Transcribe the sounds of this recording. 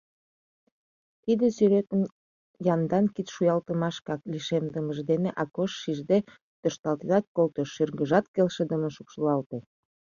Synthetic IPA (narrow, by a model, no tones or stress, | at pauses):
t̪id̪esyɾet̪ən | jɑnd̪ɑnkit̪ʃujɑlt̪əmɑʃkɑk̚liʃemd̪əməʒd̪eneʔɑkoʃːiʒd̪e | t̪øʃt̪ɑlt̪eɑt̪̚kolt̪əʃyrɡəʒɑt̪kelʃed̪əmənʃukʃəlɑlt̪e